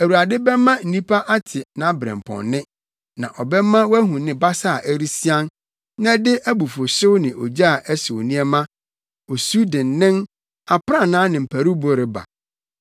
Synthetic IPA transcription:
æ˨wu˨ɾa˨dɪ˦bɛ˦mã˦n̩˨nĩ˦pʰa˦ʔa˦tʰɪ˨nã˦bɾɛ̰̃˨m˨pʰɔ̰̃˨nːɪ̃˦ | nã˨ʔɔ˨bɛ˦mã˦wæ˦ɦũ˨nɪ̃˨ba˦sa˦a˨ʔæ˦ɾi˦si˦ã˦n | nã˦dɪ˦ʔæ˦bu˨fʊ˨sɪ˦wnɪ̃˨ʔɔ˨d͡ʑa˦a˨ʔɛ˦sɪ˨wnĩ˦ɛ˦mã˦ | o˨su˦dɪ̃˨nːɪ̃˦n | a˨pʰɾã˦˨nãː˨˦nɪ̃˨m̩˨pʰæ˨ɾu˦bo˦ɾɪ˨ba̰˨

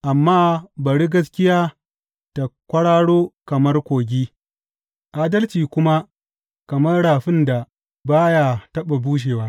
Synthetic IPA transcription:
ʔa˨mːaː˦bɐ˨ɽi˦ɡɐ˦skʲɪ˦jaː˦ | ta˨kʷɐ˦ɽaː˦ɽoː˦kɐ˨mɐ˦rkʷoː˨ɡʲiː˦ | ʔaː˦dɐ˦lt͡ʃiː˨kʷʊ˦ma˦ | kɐ˨mɐ˦rɽaː˨ɸɪ˦nda˨ | baː˦ja˦tɐ˦ɓa˨buː˦ʃ̬eː˨waː˦

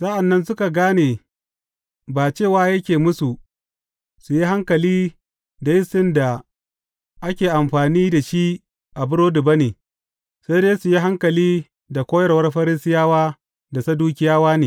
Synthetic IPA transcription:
sa˦ʔa˨nːɐ˦nsʊ˦ka˨ɡaː˦neː˨ | baː˨t͡ʃeː˦˨waː˦jɐ˦kʲeː˨mʊ˦su˨ | su˨ji˦ɦa˦ŋkɐ˨liː˦ | da˨jɪ˦sɪ˦nda˨ | ʔa˦kʲeː˨ʔa˨mɸaː˨niː˦da˨ʃi˦ | ʔa˨bʊ˦ɽoː˦dʊ˨bɐ˦neː˨ | sa˦deː˦su˨ji˦ɦa˦ŋkɐ˨liː˦ | da˨kʷoː˦jɐ˦rwɐ˦rɸɐ˦ɾɪ˦sɪ˦jaː˦waː˦ | da˨sɐ˦duː˦kʲɪ˦jaː˦waː˦neː˨

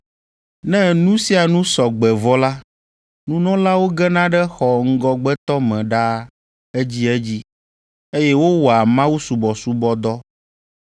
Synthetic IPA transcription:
nɛ̃˦nũ˦si˦a˨nũ˦sɔ˨ɡ͡bɛ˨vɔ˦la˦ | nũ˦nɔ̃˦la˦wo˦ɡɛ˦nã˦ɖɛ˦xɔ˨ŋ̩˦ɡɔ˦ɡ͡bɛ˦t̪ɔ˦mɛ̃˨ɖa˦ | ɛ˦d͡ʑi˦ɛ˦d͡ʑi˦ | e˦jɛ˦wo˦wɔ˨a˨mã˦wu˦su˨bɔ˨su˦bɔ˦d̪ɔ˦

